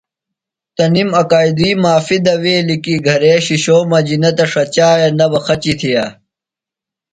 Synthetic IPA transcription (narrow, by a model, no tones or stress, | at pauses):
t̪ɐnimɐkaːid̪iːmaːfid̪ɐweːlikiɡʱɐɾeːɕiɕoːmɐd͡ʑinɐt̪ɐʂɐt͡ɕaːjenɐbɐxɐt͡ɕit̪ʰijaː